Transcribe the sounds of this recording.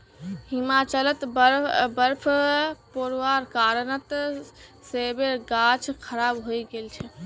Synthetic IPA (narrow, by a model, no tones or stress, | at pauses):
himat͡ʃələt̪bəɾpʰpoɾwaɾkaɾənət̪ | sebeɡat͡ʃʰkʰəɾabɦojɡelt͡ʃʰɛ